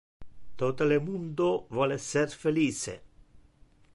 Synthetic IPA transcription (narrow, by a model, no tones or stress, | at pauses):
t̪ot̪olemund̪ovɔleserfeliːsḛ